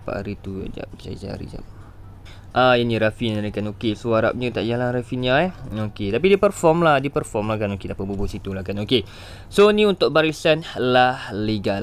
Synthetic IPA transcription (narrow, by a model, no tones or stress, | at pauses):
pa̰ʔa̰ɾit̪ua̰d͡ʒa̰pt͡ʃa̰d͡ʒa̰ɾḭd͡ʒa̰p̚ | ʔajanĩɾafinaɾikanokesoaɾa̰p̚ɲə̃t̪a̰ʔjalaɾafinɲãɛoket̪ap̬idipərfɔmladipərfɔmlahkanokedapaʔbubʊʔsit̪ulahkanoke | sonĩunt̪ʊʔ̚baɾisanlahliɡal